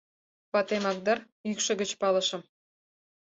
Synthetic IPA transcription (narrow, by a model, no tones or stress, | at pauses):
pɑt̪emɑk̚d̪ɑr | ykʃɤ̆ɣə̆t͡ɕpɑlɤ̆ʃɤ̆m